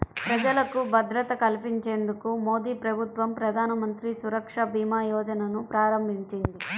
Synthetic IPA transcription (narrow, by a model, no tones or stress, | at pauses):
pɾɐd͡ʒɐlɐkubɐd̪ɾɐt̪ɐkɐlipiɲt͡ʃe̞ːnd̪ukumo̞ːd̪iːpɾɐbʱut̪ʋɐmpɾɐd̪ʱaːnɐmɐnt̪ɾisuɾɐkʂɐbʱiːmaːjɔːd͡ʒɐnɐnupɾaːɾɐmbʱiɲt͡ʃind̪i